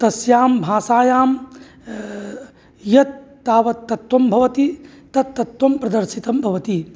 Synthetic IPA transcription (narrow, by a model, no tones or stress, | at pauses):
t̪ɐsjaːmbʱaːsaːjaːm | jɐt̪̚ː | aːʋɐt̪ːɐt̪wɐmbʱɐʋɐt̪i | t̪ɐt̪ːɐt̪wɐmpɾɐd̪ɐɾʃit̪ɐmbʱɐʋɐt̪i